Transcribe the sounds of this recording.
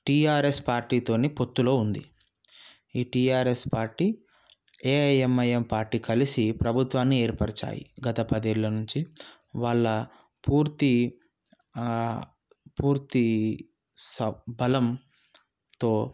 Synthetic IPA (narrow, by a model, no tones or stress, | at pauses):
ʈiːaːɾe̞spaːɾʈiːt̪o̞ːnipo̞t̪ːulo̞ːund̪i | iːʈiːaːɾe̞spaːɾʈiː | eːjemɐjempaːɾʈiːkɐlisipɾɐbʱut̪ʋaːnːie̞ːɾpɐɾɐt͡ʃa̰ːjḭɡɐt̪ɐpɐd̪eːɭːɐnuɲt͡ʃi | ʋaːɭːɐ | puːɾt̪i | puːɾt̪i | sɐbɐlɐm | t̪o̞ː